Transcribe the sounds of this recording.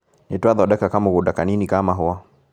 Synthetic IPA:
nitwaðɔɗɛkakamɔɣuɗakaninikamaɦɔa

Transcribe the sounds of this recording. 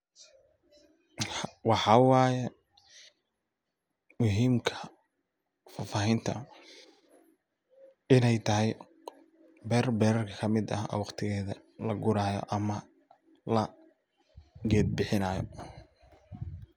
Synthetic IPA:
wɑħɑwɑːjɛ | mʊɦiːmkʰɐ | faːfaːɦɪnt̪ʰɐ̰ | ɪnɛjt̪ʰɐɦɛj | bɛːɾbɛːɾɐrkʰɐkʰɐmɪd̪ɐɔ̰ːwɑqt̪ʰɪɣɛːðɐ | lɐɡʊɾaːjɔ̰ʔɐmɐ | lɐ | ɡɛːd̪̚bɪħɪnaːjɔ̰

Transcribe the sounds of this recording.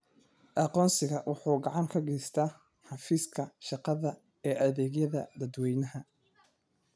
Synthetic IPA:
ʔɑqɔːnsɪɣɐwʊħuːɡɑʕɑŋkʰɐɡɛjst̪ʰaː | ħɑfiːskʰɐʃɑqɑðɐ | ɛːʔɐðɛːɡjɐðɐd̪ɐd̪wɛjnɐɦɐ

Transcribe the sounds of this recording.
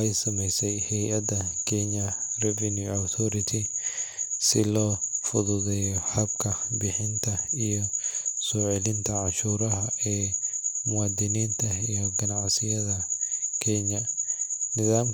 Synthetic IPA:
ɛjsɐmɛjsɛjhɛjɐd̪ɐkʰɛɲɐrɛvɐnjuawt̪ʰɔɾɪt̪ʰɪ | sɪlɔːfʊðʊðɛːjɔħɐbkʰɐbɪħɪnt̪ʰɐijɔsɔːʕɛlɪnt̪ʰɐʕɑʃuːɾɐɦɐɛːmʊwaːd̪ɪniːnt̪ʰɐijɔɡɐnɑʕsɪjɐðɐkʰɛɲɐ | nɪðaːm

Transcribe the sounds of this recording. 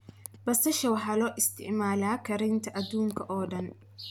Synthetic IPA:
bɐsɐʃɐwɑħɑːlɔːʔɪst̪ʰɪ̰ʕmaːlaːkʰɐɾɪnt̪ʰɐʔɐd̪uːŋkʰɐʔɔːɖɐn

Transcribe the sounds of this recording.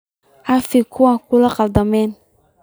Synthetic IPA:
afikʰʊakulaqaldamɛn

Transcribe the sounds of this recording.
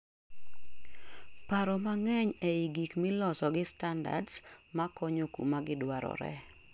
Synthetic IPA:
paɾɔmaŋɛɲɛiɡikmɪlɔsɔɡɪstanda̰dsmakɔɲokṵmaɡɪdwaɾɔ̰ɾɛ̰

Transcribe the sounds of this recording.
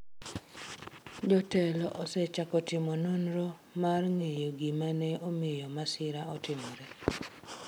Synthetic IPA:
d͡ʒɔtɛlɔʔɔsɛt͡ʃakɔtɪmɔnonɾɔ | marŋejoɡimanɛomɪjɔmasɪɾaɔtɪmɔɾɛ

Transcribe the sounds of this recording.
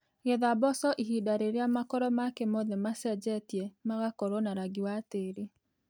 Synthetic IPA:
ɣeðabɔsɔʔihidaɾeɾeamakɔɾɔmakemoðemasɛd͡ʒɛtjɛmaɣakɔɾonaɾaɡiwateɾe

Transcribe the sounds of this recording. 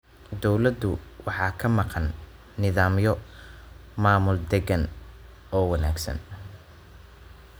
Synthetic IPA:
d̪ɔwlɐd̪ʊwɑħɑːkʰɐmɑqɑnː | ɪðaːmjɔ | maːmʊld̪ɛɡɐn | ɔːwɐna̰ːɡsɐ̰n

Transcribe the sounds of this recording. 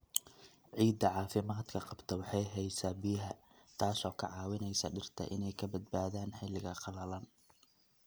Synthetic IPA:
ʕiːd̪ɐʕɑːfɪmaːd̪kʰɐqɑbt̪ʰɐwɑħɑjɦɛjsaːbɪjɐɦɐ | t̪ʰaːsɔːkʰɐʕɑːwɪnɛjsɐɖɪrt̪ʰɐ̰ʔɪ̰nɛjkʰɐbɐd̪̚baːðaːnħɪlɪɣɐqɑlɐlɐn

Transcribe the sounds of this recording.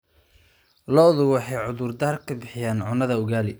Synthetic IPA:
lɔːðʊwɑħɑjʕʊðʊrd̪aːrkʰɐbɪħɪjaːnʕʊnɐðɐʊɣaːlɪ

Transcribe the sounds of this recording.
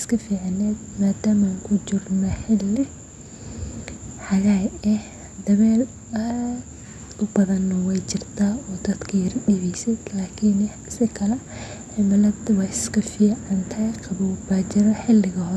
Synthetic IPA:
skʰɐfiːʕanɛːd̪̚maːd̪aːmaːŋkʰʊt͡ʃɪrnɔħɪlːɪ | ħɑɣajɛh | d̪ɐβɛːl | ɐ | ʊbɐðɐnɔwɛjt͡ʃɪrt̪ʰaːɔːd̪ɐd̪kʰɐjɪɾɖɪβɛjsɛjlaːkʰin | sɪkʰɐlɛ | ħɪmɐlɐd̪wɑɪskʰɐfiːʕɑnt̪ʰɐjqʰɑβubaːt͡ʃɐɾɔħɪlːɪɣɐhɔ

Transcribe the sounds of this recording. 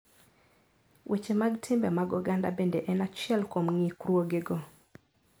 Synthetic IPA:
wʔet͡ʃemaɡtʰɪmbɛmaɡɔɡanda̰bendeʔɛnat͡ʃjɛlkomŋikruoɡeɡo

